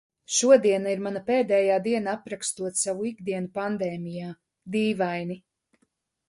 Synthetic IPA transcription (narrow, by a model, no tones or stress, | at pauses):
ʃuɔd̪iɛnaiɾmanapeːd̪ɛːjaːd̪iɛnaapɾakst̪uɔt̪savuiɡd̪iɛnupand̪ɛːmijaː | d̪iːvajni